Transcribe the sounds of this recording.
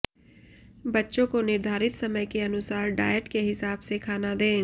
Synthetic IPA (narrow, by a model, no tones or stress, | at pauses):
bɐtːʃõkonɪɾd̪ʱaːɾɪt̪sɐməjkeɐnʊsaːɾɖa̰ːəʈkeɦɪsaːbsekʰaːnad̪ẽː